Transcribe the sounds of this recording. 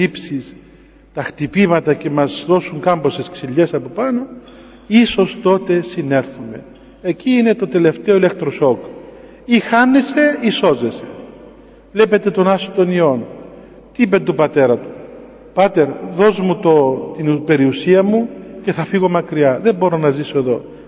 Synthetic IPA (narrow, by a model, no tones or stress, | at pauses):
ipsis | t̪ɐxt̪ipimɐt̪ɐce̞mɐzðo̞suŋkɐmbo̞sesksiʎːe̞sɐpo̞pɐno̞ | iso̞st̪o̞t̪e̞sine̞ɾθume̞̰ | eciine̞t̪ot̪e̞le̞ft̪e̞oile̞k̚t̪ɾo̞so̞k | ixɐnːese̞iso̞ze̞se̞ | vle̞pe̞t̪e̞t̪o̞nɐsot̪o̞nio̞n | t̪iipent̪ubɐt̪e̞ɾɐt̪u̥ | pɐt̪e̞ɾðo̞zmut̪ot̪inupe̞ɾiusiɐmuce̞θɐfiɣo̞mɐkɾiɐðe̞mbo̞ɾo̞nɐziso̞e̞ðo̞